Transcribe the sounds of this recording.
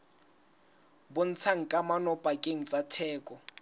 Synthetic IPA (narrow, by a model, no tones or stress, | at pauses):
bʊn̩t͡sʰaŋ̩kʼamanɔpʼakʼeŋ̩t͡sʼatʰɛːkʼɔ